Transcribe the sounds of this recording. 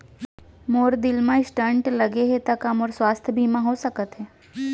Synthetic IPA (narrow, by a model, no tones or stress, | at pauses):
moːɾd̪ɪlmãɪsʈə̃ɳʈlɐɡeɦet̪akamɔːɾswaːst̪ʰəbʱiːmãɦosɐkət̪ɦɛː